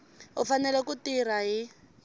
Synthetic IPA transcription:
ɦufanɛlɛkutiraɦi

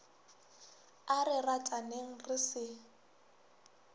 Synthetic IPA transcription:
arɪratʼaneŋ̩rɪsɪ

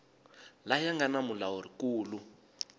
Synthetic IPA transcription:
lajaŋɡanamulaɔɾikuːlu

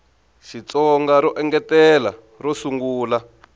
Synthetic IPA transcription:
ʃit͡sɔŋɡaɾɔʔɛŋɡɛtɛla̰ | rɔsuŋɡuːla

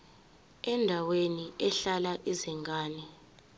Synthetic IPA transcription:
ɛndʱaweniɛɬalaʔizɛŋɡaːnɛ

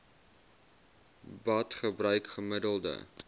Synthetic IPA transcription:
bɐtχəbrœɥkχəmədəlˠdə̰

